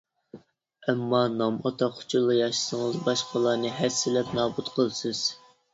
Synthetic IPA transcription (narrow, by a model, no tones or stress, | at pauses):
ɛmːɑnɑmɑt̪ʰɑqʰʊ̥t͡ʃʰulˠːɑjɑʃɨ̥səŋəzbɑʃqʰəlˠɑːnɨɦɛsːɪlɛpnɑːbut̪qʰəlˠsɨz̥